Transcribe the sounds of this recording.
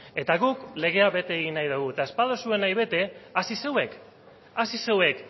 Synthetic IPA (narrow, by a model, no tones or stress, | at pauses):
e̞t̪aɣukle̞ɣ̞e̞aβe̞t̪e̞ːɣinajðuɣuet̪ae̞spað̞osue̞najβ̞e̞t̪e̞asise̞we̞k | asise̞we̞k